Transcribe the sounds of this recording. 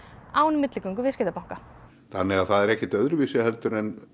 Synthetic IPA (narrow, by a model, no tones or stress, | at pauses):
aːwnʏmɪt̪lɪkʏŋkʏvɪscɪːt̪apawŋ̥ka | θanːɪɣaðθaðɛɾɛhcɛt̪œðɾʏvisɪhɛlt̪ʏɾɛn